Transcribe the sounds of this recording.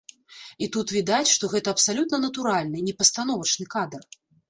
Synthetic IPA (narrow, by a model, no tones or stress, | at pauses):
it̪ut̪vʲid̪at͡sʲʂt̪ɔɣɛt̪ɐɐpsalʲut̪nɐnɐt̪uɾalʲnɨnʲɛpɐst̪anɔvɐt͡ʂnɨkad̪ɐr